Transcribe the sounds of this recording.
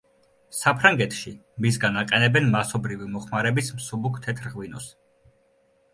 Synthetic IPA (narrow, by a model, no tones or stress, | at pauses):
sapʰɾaŋɡɛt̪ʰʃimisɡanaqʼɛnɛbɛnmasɔbɾivimɔχmaɾɛbismsubukʰt̪ʰɛt̪ʰɾʁvinɔs